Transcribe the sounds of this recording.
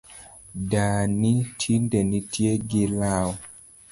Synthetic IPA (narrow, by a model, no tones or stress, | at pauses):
danitʰindɛnitʰjeɡɪlawɔ